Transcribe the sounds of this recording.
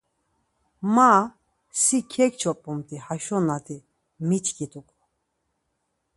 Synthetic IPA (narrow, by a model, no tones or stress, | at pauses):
ma | sikʰɛkt͡ʃʰɔpʼumt̪ʰʼihaʃɔnat̪ʰi | mit̪ʰkit̪ʰʼukʼu